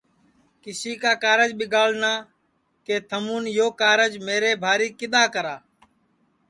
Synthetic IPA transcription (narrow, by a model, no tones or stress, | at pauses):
kɪsiːkaːkaːɾəd͡ʒɓɪɡaːlnaː | keːt̪ʰəmuːnjoːkaːɾəd͡ʒmeːɾeːbʱaːɾiːkɪɗ̪aːkəɾaː